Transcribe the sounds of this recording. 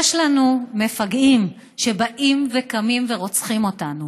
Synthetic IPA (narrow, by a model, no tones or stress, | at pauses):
jɛʃlanumefaɡim | ʃe̞baʔimvekamimveʁo̞t͡sχimo̞tanu